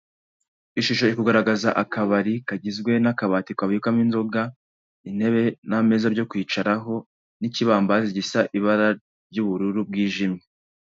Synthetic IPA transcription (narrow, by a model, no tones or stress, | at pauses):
iʃuʃo̞ikuɡaɾaɡazaʔakaβaɾikaɟizɡwe̞nakaβatikwaβikaminzo̞ɡa | in̥he̞βe̞name̞zaɾɟo̞kwiːt͡ʃaɾaɦo̞ | niciβaːmbaziɟisaʔiβaɾa | ɾɟuːβuɾuɾub̚ɡiːʒimɲe